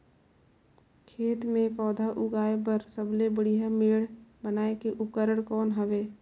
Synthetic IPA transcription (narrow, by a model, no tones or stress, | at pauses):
kʰeːt̪mẽpɔːd̪ʱaʔʊɡaːep̬əɾsəblebəɽijɦameːɽ̤bənaːekeʔʊp̚kəɾəɽ̃kɔːnɦəʋeː